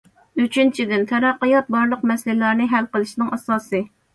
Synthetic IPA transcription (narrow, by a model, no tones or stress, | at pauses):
yt͡ʃʰynt͡ʃʰid̪ɪnt̪ʰɛɾɑqːɨjɑt̪̚bɑɾlˠəq̚mɛslɪlɑɾnɨɦælqəlˠɨʃnɨŋɛsɑːsɨ